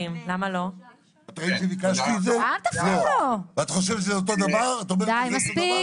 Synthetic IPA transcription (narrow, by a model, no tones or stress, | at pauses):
imlamalo | ot̪ʁiʃevikaʃt̪iːd̪zealt̪afzolovat̪aχo̞ʃ̬evʃ̬ezeot̪̬od̪avaʁat̪aomed̪ajmaspi